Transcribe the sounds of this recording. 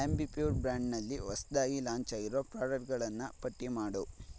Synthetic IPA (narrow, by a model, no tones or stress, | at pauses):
embipjuːɾbɾaːɳɖnɐlːiʋɐsɐd̪aːɡilaːɲt͡ʃaːɡiɾoːpɾaːɖɐʈɡɐɭɐnːɐpɐʈːimaːɽu